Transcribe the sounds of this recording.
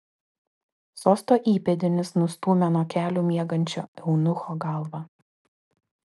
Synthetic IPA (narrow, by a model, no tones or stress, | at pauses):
soːst̪oːʔiːpʲɛd̪ʲɪnʲɪsnʊst̪uːmʲɛnoːkʲæːlʲuːmʲiɛɡɐnʲt͡ʃʲo̰ːɛʊnʊxoːɡɑˑlˠʋɑ